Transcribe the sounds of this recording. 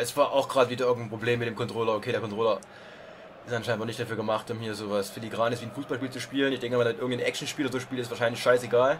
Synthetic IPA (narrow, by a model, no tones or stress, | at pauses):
ʔɛsv̥aːɐʔaʊxɡ̥ʁaːdviːdɐɪɐɡŋ̩tn̩pʁ̥obleːmːɪt̚deːmkɔntʁ̥oːlɐokʰeːɾeːɐkʰɔntʁoːlɐ | ʔɪstʔanʃaɪntnɔɐnɪçtd̥afyːɐɡəmaχtʔʊmhiːɐzoːvasfɪliɡʁaːnɪsv̥iːənfuːsb̥alʃpiːlt͡suʃpiːlənɪçd̥ɛŋkɛmanmɪtʔɪɐɡŋtnənʔɛk̚ʃn̩ʃpiːlɐzoːʃpiːltɪstv̥aɐʃaɪnlɪçʃaɪseɡaːl